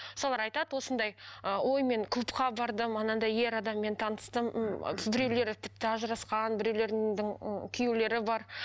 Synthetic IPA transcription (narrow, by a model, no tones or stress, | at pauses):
msɑlˠɑɾɑjt̪ɑd̪wo̞sənd̪ɑjəwo̞jme̞ŋkʰlˠupqɑbɑɾd̪əmɑnɑnd̪ɑje̞ɾɑd̪ɑmːe̞nt̪ʰɑnəst̪əm̰bɪɾe̞wle̞ɾɪt̪ʰɪ̥p̚t̪ɪɑʒəɾɑsqɑnbɪɾewle̞ɾd̪ɪŋkʲʰʏjele̞ɾɪbɑɾ